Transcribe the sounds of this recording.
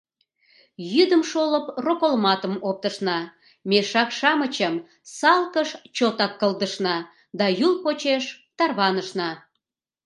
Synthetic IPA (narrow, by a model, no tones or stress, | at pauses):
jyd̪əmʃoləprokolmɑt̪əmop̚t̪əʃnɑ | meʃɑkʃɑmət͡ɕəm | sɑlkəʃt͡ɕot̪ɑkːəld̪əʃnɑ | d̪ɑjulpot͡ɕeʃt̪ɑrβɑnəʃnɑ